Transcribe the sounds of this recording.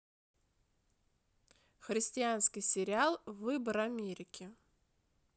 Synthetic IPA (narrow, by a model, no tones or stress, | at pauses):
xɾʲɪsʲtʲɪanskʲɪjsʲɪɾʲɪalˠvɨbəɾɐmʲeɾʲɪkʲʰɪ